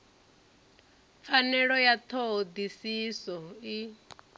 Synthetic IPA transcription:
p̪fanɛɺɔjat̪ʰod̪isisɔi

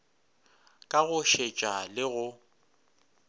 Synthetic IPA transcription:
kʼaɣʊʃet͡ʃʼalɪɣʊ

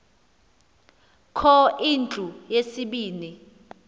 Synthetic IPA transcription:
kʰɔint͡ɬʼujesiɓiːni

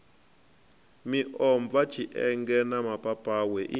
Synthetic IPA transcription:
miʔɔɱb̪vḁt͡ʃʰiʔɛŋɡɛnamapʼapʼaːwɛʔi

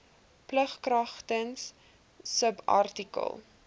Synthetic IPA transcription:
pləχkrɐχtənsː | əbɐ̰rtikə̰lˠ

